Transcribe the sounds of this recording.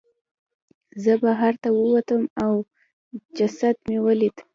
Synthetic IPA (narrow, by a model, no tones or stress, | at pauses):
zəbaɦaɾt̪awəwat̪əmaw | d͡ʒasad̪mewəlid̪